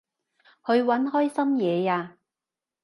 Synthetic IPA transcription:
hɵ˨˧ɥwɐ˨˥nɦɔː˥jsɐ˥mjɛː˨˧jaː˧

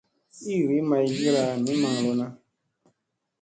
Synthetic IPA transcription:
i˦˨ɾi˨˦mã˧i˨ɡi˦ɾa˧mĩ˨˦mã˨ŋlo˦nã˦

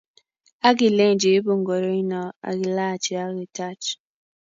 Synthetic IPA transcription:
a˦ɡi˨le˦ŋ˨d͡ʒi˨˦bo˨ŋɡo˨ɾo˦i˦nɔ˨a̰˨ɡi˨la˦˨t͡ʃi˨a˦ɡi˨ta˦t͡ʃ

